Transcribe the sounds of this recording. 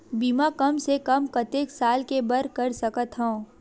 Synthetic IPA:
biːmakɐmsekɐmkɐt̪eːksaːlkebɐɾkɐɾsɐkət̪ɦõː

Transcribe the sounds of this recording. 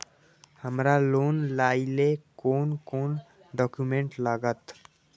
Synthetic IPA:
həmɾaloːnlaːilekoːnkoːn | ɖɔːkjumẽɳʈlaɡət̪

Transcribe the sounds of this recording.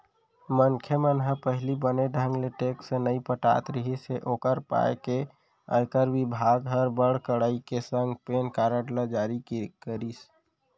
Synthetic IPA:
mənkʰemənɦəpəɦlibəneɖʱə̃ŋɡleʈeksenəĩpəʈa̰t̪ɾəɦiseʔokəɾpa̰eke | ə̰̃ɪkəɾʋibʱaɡɦəɾbəɽ̤kəɽaikesəŋɡpenkaɾəʈləd͡ʒaɾikkəɾis

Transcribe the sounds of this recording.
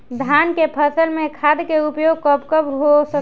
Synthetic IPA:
d̪ʱaːnkepʰəsəlmẽkʰad̪keupjoɡ̚kəpkəbɦosə

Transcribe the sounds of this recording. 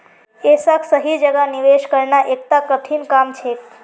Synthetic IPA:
esəkʰsəɦid͡ʒəɡaniʋeʃkəɾnaʔekt̪akəʈʰinkamt͡ʃʰe

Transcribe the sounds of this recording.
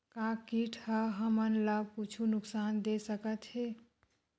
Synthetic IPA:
kãkiʈʰəɦəmənlab̚kut͡ʃʰunʊksaːnd̪esəkət̪ɦe

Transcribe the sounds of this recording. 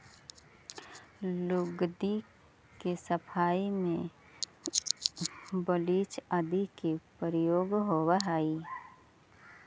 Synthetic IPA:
lʊɡd̪i | kesəpʰaːimẽ | bəliːt͡ʃəd̪ikepəɾjoːɡɦowəɦaːi

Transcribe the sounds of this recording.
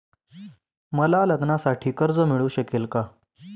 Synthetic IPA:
məlaləɡnasaʈʰiːkəɾd͡zəmiɭũːɕəkelka

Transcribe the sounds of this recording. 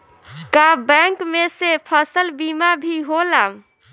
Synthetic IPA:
kabɛŋkmesepʰəsəlbimabʱiɦolam

